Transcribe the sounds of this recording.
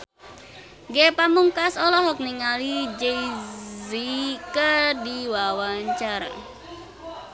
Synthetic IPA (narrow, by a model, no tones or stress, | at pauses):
ɡepamuŋkasɔlɔɦɔk̚niŋalid͡ʒeizikədiwawaɲt͡ʃaɾa̰